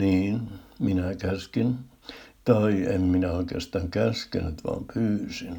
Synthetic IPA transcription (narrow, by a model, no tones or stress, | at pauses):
niːnminækæskin | t̪ɑiemminæoikḛːɑst̪ɑŋkæskḛnyt̪ʋɑ̰ːmpʰyːsin